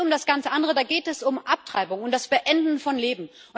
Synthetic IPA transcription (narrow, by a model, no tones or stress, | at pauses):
ʊmdasɡ̥ant͡səʔandəʁədaːɡeːtɛsʊmʔap̚tʁ̥aɪbʊŋʊntd̥asb̥əʔɛndn̩fɔnleːbm̩ | ʔʊ